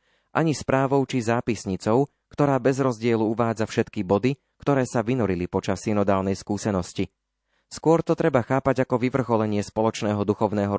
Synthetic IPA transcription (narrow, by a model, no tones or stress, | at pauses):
ʔaɲispɾaːʋɔʊt͡ʃizaːpisɲit͡sɔʊ | kt̪ɔɾaːbɛzɾɔzɟɪɛluuʋaːd͡zafʃɛt̪kibɔd̪i | kt̪ɔɾɛːsaʋinɔɾilipɔt͡ʃasːinɔd̪aːlnɛjskuːsɛnɔsci | skʊɔɾt̪ɔt̪ɾɛbaxaːpaɟakɔʋiʋr̩xɔlɛɲɪɛspɔlɔt͡ʃnɛːɦɔd̪uxɔʊnɛːɦɔ